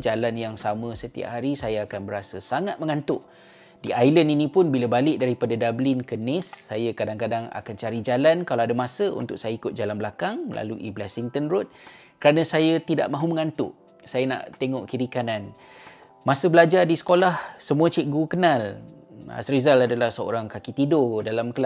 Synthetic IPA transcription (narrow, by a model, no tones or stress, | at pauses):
d͡ʒalanjaŋsamə̃sət̪ḭa̰ʔɦaɾisajaakanbəɾasəsaŋat̪̚mə̃ŋãnt̪ʊʔ | diajləninĩpʊnbilabalɪk̚daɾipadadablɪnkənɪsːajakadaŋkadaŋa̰kant͡ʃaɾid͡ʒalankalawadamãsəṵnt̪ʊk̚sajaikʊt̪̚d͡ʒalanbəlakaŋlʔa̰luʔḭblasiŋt̪ənrʊt̪̚ | kəɾanə̃sajat̪ida̰ʔmãɦuməŋant̪ʊ̰ʔ | sajana̰ʔt̪eŋɔʔkiɾikanan | mãsəbəlad͡ʒardisə̥kolahsəmũat͡ʃiʔ̚ɡukənala̰sɾizaladalahsəo̰ɾaŋkakit̪idʊdalamkəla